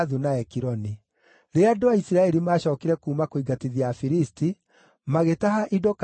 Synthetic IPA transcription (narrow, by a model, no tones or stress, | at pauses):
ðunaɛkiɾɔni | ɾeadoaisiɾaɛɾimaɕɔːkiɾɛkuːmakoiɡatiðiafiɾisti | maɣetaɦaʔidok